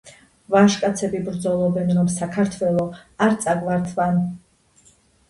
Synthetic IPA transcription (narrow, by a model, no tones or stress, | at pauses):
vaʃkʼat̪sʰɛbibɾd̪zɔlˠɔbɛnɾɔmsakʰaɾt̪ʰwɛlˠɔaɾt̪sʼaɡvaɾt̪ʰvan